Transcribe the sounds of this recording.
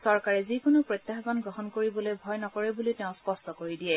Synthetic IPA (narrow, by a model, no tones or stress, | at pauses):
sɔɹkaɹɛzikʊnʊpɹot̪jaxzɔnɡɹɔɦɔnkoɹibɔlojbʱɔjnɔkɔɹɛbulitɛʊ̃spɔstɔkoɹidijɛ